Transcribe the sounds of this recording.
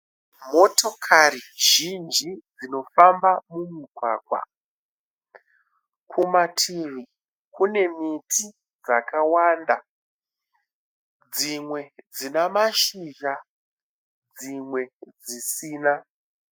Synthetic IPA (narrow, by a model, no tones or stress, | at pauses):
mo̞to̞kʰariʒ̥ind͡ʒid͡zino̞fambamumiɡʱwa̰ːkwa̰ | kʰumatʰiʋi | kune̞mitʰi | d͡za̰kawanda | d͡zimwe̞d͡zinamaʃiʒa | d͡zimwe̞d͡zisiːna